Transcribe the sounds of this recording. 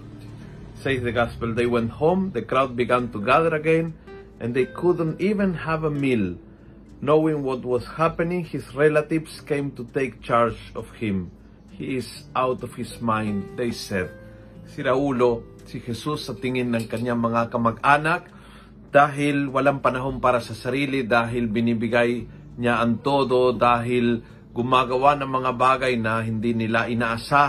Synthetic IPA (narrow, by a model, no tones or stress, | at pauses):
sejfðəɡaspəld̪ejwɛ̃nt̪hõmd̪əkɾawd̪̚biɡãnt̪uɡaðəɾaɡẽn | ʔãnd̪ejkʰʊd̪ə̃ntivə̃nhævəmil | nowɪ̃ŋwɔt̪̚wɔshæpɛnĩŋhisɹelat̪ivskẽɪmt̪ut̪eɪk̚t͡ʃaɹd͡ʒɔfhɪ̃m | hiɪzawt̪ɔv̥hɪsmãj̃nd̪d̪ejsɛd̪̚ | sɪɾɐuːlo | sɪhɛsusːɐt̪ɪŋɪnːɐŋkɐɲaŋmɐŋakɐmɐɡʔaːnak̚ | d̪̥aːɦɪlwɐlaŋpɐnɐɦonpaːɾɐsɐsɐɾiːlɪd̪aːɦɪlbɪnibɪɡaj | ɲaʔɐnt̪oːd̪od̪aːɦɪl | ɡʊmaːɡɐwanɐŋmɐŋabaːɡajnɐɦɪnd̪inɪlaʔɪnaːʔasa